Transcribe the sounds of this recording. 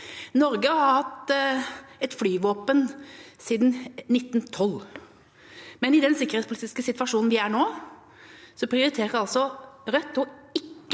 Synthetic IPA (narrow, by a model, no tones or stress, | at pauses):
nɔɾɡəɑɾhɑt̪ː | ɛt̪flyːʋoːpənsiːd̪nnɪt̪ːnt̪ʰɔlː | mɛnɪd̪ɛnsɪkːəɾhet̪spʰʊliːt̪ɪskəsɪt̪ʋɑʂuːnn̩ʋɪæɳoː | sɔpʰɾɪʊɾɪt̪ʰeːɾɑlsɔɾœt̪ːɔɪkːə